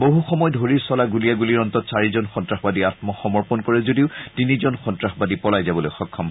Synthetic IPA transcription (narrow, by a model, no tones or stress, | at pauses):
boɦuxɔmɔjdʱoɹiɹsɔlaɡuliaɡuliɹɔntɔtsaɹizɔnxɔntɹaxbadiatmɔxɔmɔɹpɔnkɔɹɛzodiʊtinizɔnxɔntɹaxbadipɔlajzabɔlojxɔkʰːɔm